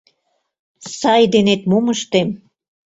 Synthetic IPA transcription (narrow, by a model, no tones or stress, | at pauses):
sɑjd̪enet̪momə̆ʃt̪em